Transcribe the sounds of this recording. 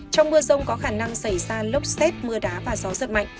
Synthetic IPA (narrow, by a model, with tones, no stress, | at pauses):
t͡ɕɔ˧wŋ͡mmɨ˧əzə˧wŋ͡mkɔ˨˦xaː˧˩na˧ŋsa˧˩jzaː˧lə˦˥wk͡p̚sɛ˦˥t̚mɨ˧əɗaː˨˦vaː˨˩zɔ˨˦zɨ̰˨n̚ma̰˧˨jŋ